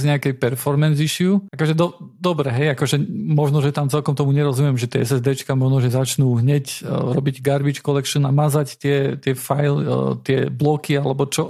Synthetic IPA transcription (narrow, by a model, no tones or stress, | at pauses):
zɲɛakɛjpɛɾfɔɾmɛnziʃɪuakɔʒɛd̪ɔd̪ɔbɾɛɦɛjakɔʒɛmɔʒnɔʒɛt̪amt͡sɛlkɔmt̪ɔmuɲɛɾɔzumɪɛmʒɛt̪ɪɛɛsɛzd̪ɛt͡ʃkamɔʒnɔʒɛzat͡ʃnuːɦɲɛcɾɔbiɟɡaɾbit͡ʃkɔlɛkʃɔnamazact̪ɪɛt̪ɪɛfajlt̪ɪɛblɔkialɛbɔt͡ʃɔ